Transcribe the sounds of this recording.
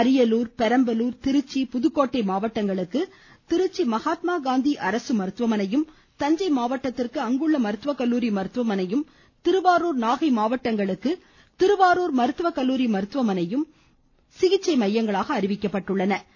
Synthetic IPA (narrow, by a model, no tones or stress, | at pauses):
ɐɾɪjɐluːɾpɛɾɐmbɐluːɾt̪ɪɾɯt͡ʃːipʊðɯkːoːʈːɐɪmaːʋɐʈːɐŋɡɐɭɯkːɯ | t̪ɪɾɯt͡ʃːimɐɣaːt̪maːɡaːnd̪iʔɐɾɐsɯmɐɾɯt̪ʋɐmɐnɐjɯm | t̪ɐɲd͡ʒɐɪmaːʋɐʈːɐt̪ːɪrkɯɐŋɡɯɭːɐmɐɾɯt̪ʋɐkːɐlːuːɾimɐɾɯt̪ʋɐmɐnɐjɯm | t̪ɪɾɯʋaːɾuːɾnaːɣɐɪmaːʋɐʈːɐŋɡɐɭɯkːɯ | t̪ɪɾɯʋaːɾoːɾmɐɾɯt̪ɯʋɐkɐlːuːɾimɐɾɯt̪ʋɐmɐnɐjɯm | sɪɣɪt͡ʃːɐɪmɐjːɐŋɡɐɭaːɣɐːɾɪʋɪkːɐpːɐʈːɯɭːɐnɐ